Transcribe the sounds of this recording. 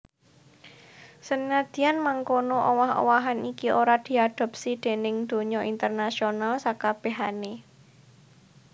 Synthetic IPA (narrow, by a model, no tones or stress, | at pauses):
sənŋad̪̥i̤anmaŋkonoʔowaɦo̰waɦanikiʔoɾad̪̥i̤ad̪̥a̤p̚sid̪̥e̤nɪŋd̪̥o̤ɲɔʔint̪ərnasionalsakab̥e̤ɦane